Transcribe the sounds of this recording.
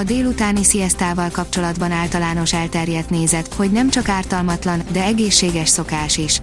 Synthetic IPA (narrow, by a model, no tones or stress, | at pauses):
ɒd̪eːlut̪aːnisijɛst̪aːvɒlkɒp̚t͡ʃo̞lɒd̪bɒnaːlt̪ɒlaːno̞ʃɛlt̪ɛrjɛt̪neːzɛt̪ho̞ɟnɛmt͡ʃɒkaːrt̪ɒlmɒt̪lɒnd̪ɛɛɡeːʃːeːɡɛʃso̞kaːʃiʃ